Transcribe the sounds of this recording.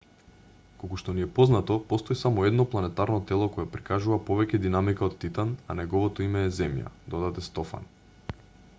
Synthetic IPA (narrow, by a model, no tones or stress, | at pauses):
kokuʃt̪ɔniɛpɔznat̪ɔpɔst̪oisamɔɛd̪nɔplˠanɛt̪aɾnɔt̪ɛlˠɔkɔjɛpɾikaʒuvapɔvɛcɛd̪inamikaot̪ːit̪ananɛɡɔvɔt̪ɔimɛːzɛmja̰d̪ɔd̪at̪ɛst̪ɔfa̰n